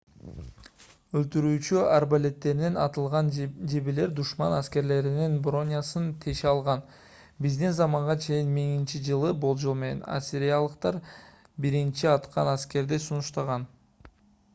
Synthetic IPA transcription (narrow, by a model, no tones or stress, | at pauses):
ɵlt̪yɾyːt͡ʃyarbalʲe̞t̪ːe̞ɾinenɑt̪ɯlˠʁɑnd͡ʒebile̞ɾd̪uʃmɑnæske̞ɾle̞ɾininbro̞nʲijasɯnt̪ʰe̞ʃeɑlˠʁɑn | bizd̪inzɑmɑɴʁɑt͡ʃʰe̞jinmiŋint͡ʃid͡ʒɯlˠɯbo̞lˠd͡ʒolˠme̞ne̞̰na̰sʲɪɾʲijalˠɯqt̪ɑɾ | biɾint͡ʃiɑt̪qʰɑnæske̞ɾd̪esunuʃt̪ɑʁɑn